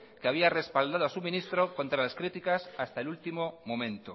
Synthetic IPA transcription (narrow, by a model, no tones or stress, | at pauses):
keaβ̞iare̞spald̪að̞oasumĩnist̪ɾoko̞nt̪ɾalaskɾit̪ikasast̪aelult̪imomõ̞mẽ̞nt̪o